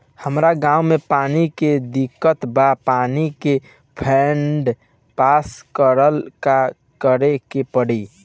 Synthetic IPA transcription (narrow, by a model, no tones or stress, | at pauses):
həmɾaɡãumepaniked̪ikːət̪bapanike | pʰeɳɖ | paskəɾəlka | kəɾekepəɽi